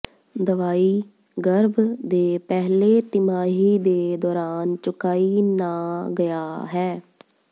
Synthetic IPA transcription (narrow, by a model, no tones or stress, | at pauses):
d̪əʋaːiː | ɡəɾbd̪eːpɛɦleːt̪ɪmaːɦiːd̪eːd̪ɔːɾaːnt͡ʃʊkaːiːnaːɡəjaːɦɛː